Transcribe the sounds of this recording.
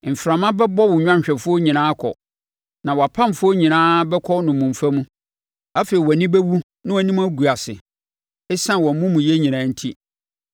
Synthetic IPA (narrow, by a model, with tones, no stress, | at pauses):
m̩˨fɾã˨mã˦bɛ˦bɔ˦wʊ˨ɲᶣã˦ɲ˨ɕᶣɛ˨fʊ˦ɔ˦ɲĩ˨nãː˦kʰɔ̰˨ | nã˨wɔ˨a˨pʰã˦m˨fʊ˦ɔ˦ɲĩ˨nãː˦bɛ˦kʰɔ˦nʊ̃˨mũ˨m˨fa˦mũ˦ | a˦fe˨i˨wɔ˨nĩ˦bɛ˦wu˦ | nɪ̃˦wɔ˨nĩ˦m˦a˦ɡu˨a˨sɪ˨ | ɛ˦sã˦nwɔ̃˨m˨mũ˦mũ˨je˦ɲĩ˨nãː˨˦n̩˦tʰi˦